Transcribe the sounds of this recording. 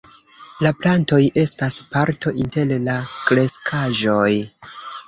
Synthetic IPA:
laplanto̞jʔe̞staspaɾtʰo̞ʔinte̞llakɾe̞skʰaʒo̞j

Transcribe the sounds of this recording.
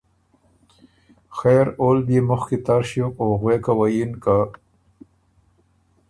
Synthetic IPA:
xeɾolbimʊxket̪aɾʃokoɣwekawajinka

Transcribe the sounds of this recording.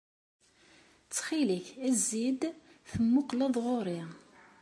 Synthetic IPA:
t͡sːχiliçæzːid̪θəmːʊqlɑðˤʁoɾi

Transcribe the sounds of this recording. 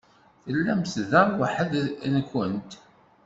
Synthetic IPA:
θəlːæmθðəɾˤwaħəðnəkːənt̪

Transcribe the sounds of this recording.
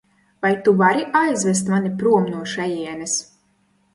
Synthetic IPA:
vajt̪uvaɾiʔajzvɛs̬t̪manipɾuɔmnuɔʃɛjiɛnɛs

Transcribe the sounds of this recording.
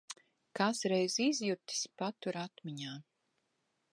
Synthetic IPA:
kaːsɾɛjzizjut̪i̥spat̪uɾat̪miɲaː

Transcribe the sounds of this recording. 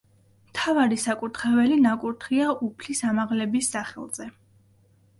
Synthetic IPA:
mt̪ʰavaɾisakʼuɾt̪ʰχɛvɛlinakʼuɾt̪ʰχiaʔupʰlisamaʁlɛbisːaχɛ̰lˠz̥ɛ

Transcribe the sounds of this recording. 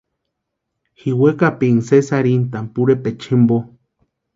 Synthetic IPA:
hiwekapiŋsesaɾint̪ampuɾepet͡ʃʰimbo

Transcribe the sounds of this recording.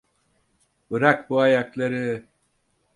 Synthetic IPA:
bɯɾakbuajaklˠaɾɯ

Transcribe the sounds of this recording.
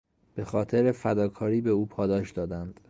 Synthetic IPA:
b̥e̞xɒːt̪ʰe̞ɾefæd̪ɒːkʰɒːɾiːbe̞uːpʰɒːd̪ɒːʃd̪ɒːd̪ænd̪̥

